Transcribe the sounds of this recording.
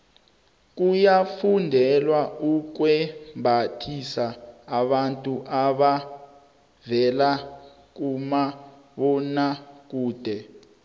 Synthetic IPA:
k̬ujafundʱɛlwauk̬wɛmbʱatʰisaːɓantʼuʔaɓa | vɛla | k̬uma | ɓɔnak̬uːd̥ʱɛ

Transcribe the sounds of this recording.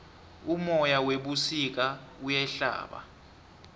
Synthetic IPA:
umɔjaweɓusik̬aujɛɬa̰ːɓa̰

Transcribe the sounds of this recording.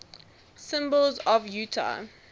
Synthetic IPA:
sɪ̃mbəlˠzɔvjʉːtʰa̰

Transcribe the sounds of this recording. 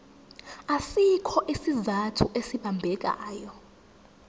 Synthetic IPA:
asikʰɔʔisizatʰuʔesiɓambʱɛk̬a̰ːjɔ

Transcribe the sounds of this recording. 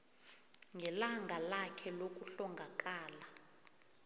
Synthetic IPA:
ŋɡʱɛlaŋɡʱalakʰɛlok̬ʼuɬɔŋɡʱak̬ʼaːla

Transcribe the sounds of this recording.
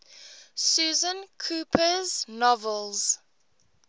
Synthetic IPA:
suːzə̃nkʰuːpʰəznɔvəlˠz̥

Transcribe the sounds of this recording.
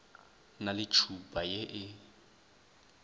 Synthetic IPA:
nalɪt͡ʃʰupʼajeʔɪ

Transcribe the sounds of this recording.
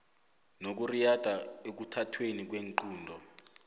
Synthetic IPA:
nok̬urijad̥ʱaek̬utʰatʰwenik̬weŋǃuːndʱɔ

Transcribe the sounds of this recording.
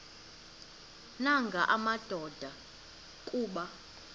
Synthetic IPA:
naŋɡʱaʔamad̥ʱɔd̥ʱa | kʼuːɓa

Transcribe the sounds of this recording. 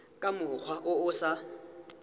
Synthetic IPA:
kʼamʊk͡xʰwaʔʊʊsa

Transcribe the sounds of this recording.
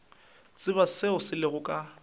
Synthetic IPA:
t͡sʼɪβasɪʊsɪlɪɣʊkʼa

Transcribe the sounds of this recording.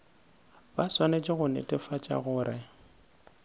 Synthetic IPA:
baswanet͡ʃʼɪɣʊnɛ̰tʼɛfat͡ʃʼa̰ɣʊːɾɪ

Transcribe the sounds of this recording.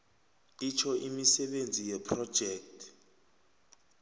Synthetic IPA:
it͡ʃʰɔʔimisɛɓend͡zʱijɛpʰrɔ̥d͡ʒ̥ʱɛk̚tʰ

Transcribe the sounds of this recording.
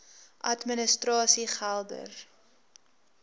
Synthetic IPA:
ʔɐtmənəstrɑːsiχælˠdə̰r

